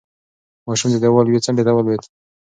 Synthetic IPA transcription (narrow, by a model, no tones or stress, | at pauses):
mɑʃumd̪ed̪awalwet͡saɳɖet̪awalwet̪